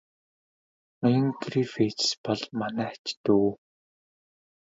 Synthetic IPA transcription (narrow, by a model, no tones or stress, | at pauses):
ajə̆ŋɡrifetspɔɮmanæːt͡ɕt̪uː